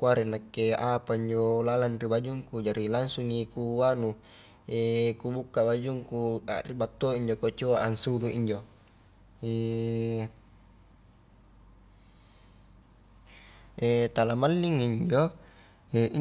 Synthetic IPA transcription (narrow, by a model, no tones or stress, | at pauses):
kuaɾenakːeapaiɲd͡ʒolalanribad͡ʒuŋkud͡ʒaɾilaŋsuŋnikuwanu | ekubukːabad͡ʒuŋkua̰ribat̪ːoiɲd͡ʒokot͡ʃoaʔansuluiɲd͡ʒo | e | et̪alamalːiŋːiɲd͡ʒo | ei